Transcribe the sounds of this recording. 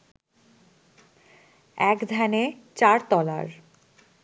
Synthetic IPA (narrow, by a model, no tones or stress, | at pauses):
ɛkd̪ʱɛnet͡ɕaɾt̪ɔla̰ɾ